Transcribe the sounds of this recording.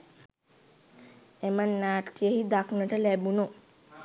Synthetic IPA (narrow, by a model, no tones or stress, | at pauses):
emənːaːʈːijəhid̪aknəʈəlæbuno